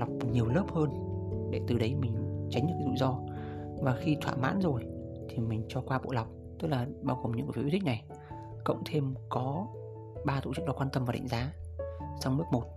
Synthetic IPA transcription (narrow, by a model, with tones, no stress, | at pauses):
lwk͡p̚ɲi˨˩əwləː˦˥p̚həː˧nɗe˧˩t̪ɨ˨˩ɗə˨˦jmï˨˩ŋ̟t͡ɕa˨˦jŋ̟ɨ̰˧˥kːa˨˦zṵ˧˨zɔ˧vaː˨˩xi˧t̪ʰwa̰ː˧˨ma̰ː˧˥nzo˨˩jt̪ʰi˨˩mï˨˩ŋ̟t͡ɕɔ˧kwaː˧ɓo̰˧˨la˨˩wk͡p̚t̪ɨ˦˥k̚laː˨˩ɓaː˧wɣo˨˩mɲɨ̰˧˥ŋkːt̪ʰï˦˥na˨˩j | kə̰˧˨wŋ͡mt̪ʰe˧mkɔ˨˦ | ɓaː˧t̪o̰˧˨t͡ɕɨ˦˥k̚ɗɔ˨˦kwaː˧nt̪ə˧maː˨˩ɗa̰˧˨ŋzaː˨˦sa˧wŋ͡mnɨ˦˥ək̚mo˨˩t̚